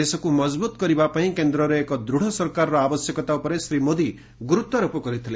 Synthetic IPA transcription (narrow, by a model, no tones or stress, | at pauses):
esɔkumʌd͡ʒbut̪kʌɾibapaɦĩkend̪ɾɔɾɔekɔd̪ɾuɽ̤ɔsʌɾkaɾːɔabʌsjɔkɔt̪awpɔɾesɾimod̪i | ɡuɾut̪ːɔɾopɔkɔɾit̪ʰile